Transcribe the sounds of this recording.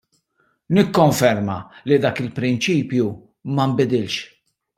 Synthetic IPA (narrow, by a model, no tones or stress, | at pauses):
nɪkːɔɱfɛɾmɐ̰lid̪ɐːkɪlpɾɪnt͡ʃiːpju | mɐmbɪd̪ɪlʃ